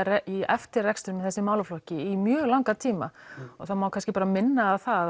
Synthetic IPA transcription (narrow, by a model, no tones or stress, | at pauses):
rɛiɛ̰ft̪ɪrɛkst̪ʏɾmɛθɛsːɪmaːwlaflɔhcɪimjœːɣlawŋkat̪ʰiːma̰ɔ̰θawmaːwkʰanscɪpaːɾamɪnːaːðθa